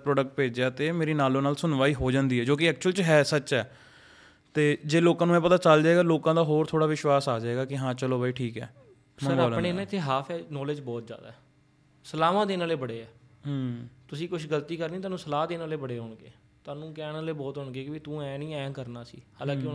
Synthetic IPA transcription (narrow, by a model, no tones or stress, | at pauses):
pɾɔːɖək̚ʈ̚peːd͡ʒaːt̪eːmeːɾiːnaːloːnaːlsʊnʋaːiːɦoːd͡ʒãːnd̪iːɦɛːd͡ʒoːk̬ɪɛːk̚t͡ʃʊəlt͡ʃɦɛːsət͡ʃɛː | t̪eːd͡ʒeːloːkãːnũːmɛ̃ːpət̪aːt͡ʃəld͡ʒaːeːɡaːloːkãːd̪aːɦoːɾt̪ʰoːɽaːʋɪʃwaːsaːd͡ʒaːeːɡaːkɪɦãːt͡ʃəloːbaːiːʈʰiːkɛ̰ː | smə̃əɾaːlneːnãːɪt̪ʰːeːɦaːpʰɛːnɔːleːd͡ʒbɔːt̪̚d͡ʒja̰ːd̪a̰ːɛ | səlaːʋãːd̪eːnaːleːbəɽeːɛːɦt̪ʊsĩːkʊʃʰɡəlt̪iːkəɾnĩːt̪̬aːnũːsəlaːd̪eːnaːleːbəɽeːɦʊɳɡḛː | t̪aːnũːkɛːnaːleːbɔːt̪ɦʊɳɡeːkɪʋit̪ũːɛ̃ːnĩːɛ̃ːkəɾnaːsḭːhaːlãːkɪ